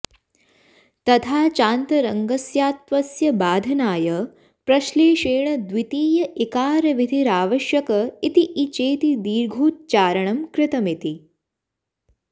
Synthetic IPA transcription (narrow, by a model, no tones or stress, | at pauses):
t̪ɐt̪ʰaːt͡ʃaːnt̪ɐɾɐŋɡɐsjaːt̪ʋɐsjɐbaːd̪ʱɐnaːjɐ | pɾɐʃleːʃeːɳɐd̪ʋit̪iːjɐikaːɾɐʋid̪ʱiɾaːʋɐʃjɐkɐit̪iʔit͡ʃeːt̪id̪iːɾɡʱuːt̪̚t͡ʃaːɾɐɳɐmkɾɪt̪ɐmit̪i